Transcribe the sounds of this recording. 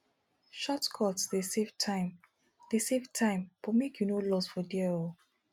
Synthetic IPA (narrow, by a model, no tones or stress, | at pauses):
ʃɔtkʰɔtsdesev̥tʰaɪm | d̥esevtʰãɪ̃mpɔmekʰjunolɔsfɔdiɛo